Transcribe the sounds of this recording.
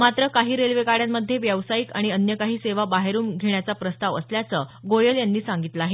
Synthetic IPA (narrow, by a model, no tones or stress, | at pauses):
mat̪ɾəkaɦiːɾelʋekaɽjaməd̪ʱːjeʋjəʋsaikaɽ̃iənjəkaɦiːseʋabaɦeɾuːnɡʱeɳjat͡sapɾəst̪aʋəsljat͡səɡojəljanːiːsãŋɡit̪ləaɦe